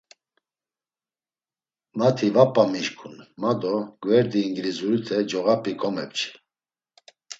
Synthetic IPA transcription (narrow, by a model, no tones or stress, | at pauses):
mat̪ʰivapʼːamiʃkʰunmad̪ɔɡ̥vɛɾd̪iːŋɡɾizuɾit̪ʰɛd͡ʒɔɣapʰʼikʰɔmɛpt͡ʃʰi̥